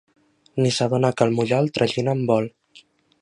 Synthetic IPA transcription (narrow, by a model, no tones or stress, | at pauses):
nisaðonakəlmuʎalˠt̪ɾʔəʒinəmbɔl